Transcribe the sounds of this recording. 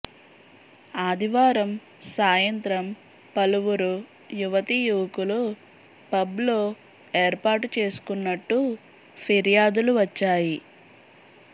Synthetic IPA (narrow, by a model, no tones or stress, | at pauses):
aːd̪ʱiʋaːɾɐm | saːjɐnt̪ɾɐm | pɐluʋuɾu | juʋɐt̪ijuːkulu | pɐblo̞ː | eːɾpaːɾʈut͡ʃe̞ːsu̥kunːɐʈːu | pʰiɾijaːd̪uluʋɐt͡ʃːaːji